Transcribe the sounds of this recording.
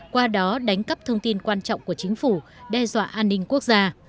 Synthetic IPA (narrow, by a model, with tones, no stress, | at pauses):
kwaː˧ɗɔ˨˦ɗa˨˦jŋ̟kə˦˥p̚t̪ʰə˧wŋ͡mt̪i˧nkwaː˧nt͡ɕɔ̰˧˨wŋ͡mku˧˩ət͡ɕï˨˦ŋ̟fu˧˩ɗɛ˧zwa̰ː˧˨ʔaː˧nːï˧ŋ̟ku˦˥ək̚zaː˧